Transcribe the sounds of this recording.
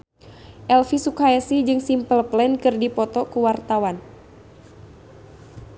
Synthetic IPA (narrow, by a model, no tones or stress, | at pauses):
ʔɛlfisukaɛsid͡ʒɨŋsimpəlplɛnkɨrdipɔt̪ɔkuwart̪awan